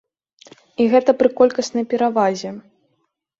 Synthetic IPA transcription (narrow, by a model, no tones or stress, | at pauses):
iɣɛt̪ɐpɾɨkɔlʲkɐsnɐjpʲɛɾavazʲɛ